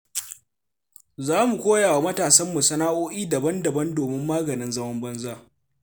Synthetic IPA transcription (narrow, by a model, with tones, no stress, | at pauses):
zaː˦mu˨kʷoː˦jaː˨wa˨mɐ˦taː˨sɐ˦mːʊ˨sɐ˦naː˦ʔoː˦ʔiː˦dɐ˨bɐ˦ndɐ˨bɐ˦ndoː˨mɪ˦mːaː˦ɡɐ˨nɪ˦nzɐ˦mɐ˦mbɐ˦nzaː˦˨